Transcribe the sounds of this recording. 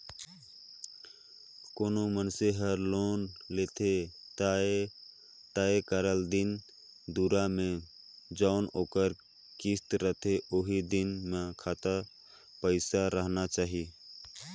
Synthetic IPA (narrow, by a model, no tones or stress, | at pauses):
koːnomənseɦəɾlonlet̪ʰe | t̪aekəɾəld̪in | d̪uɾamẽ | d͡ʒaʊnoːkəɾ | kist̪ɾət̪ʰeʔoɦid̪inmekʰat̪ə | pəɪsaɾəɦnat͡ʃaːɦi